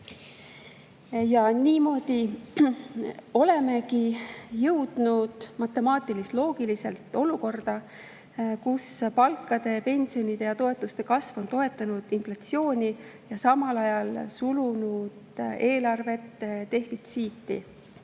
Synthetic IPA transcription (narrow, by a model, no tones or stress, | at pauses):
jɑniːmo̞ːd̪̥i | o̞le̞me̞kijɤwd̪̥nud̪̥mɑt̪ːˑe̞mɑːt̪ˑilist̪lo̞ːɡ̥ilise̞lt̪ːˑo̞luko̞rd̪̥ɑ | kuspɑlkːˑɑd̪̥e̞pe̞nʲsio̞nʲid̪̥e̞jɑt̪o̞e̞t̪ːˑust̪e̞kɑsvo̞nt̪o̞e̞t̪ːˑɑnud̪̥inflɑt̪sjo̞ːnʲijɑsɑmɑlɑjɑlsulunud̪̥e̞ːlɑrve̞t̪ːt̪e̞hfit̪siːt̪ːˑḭ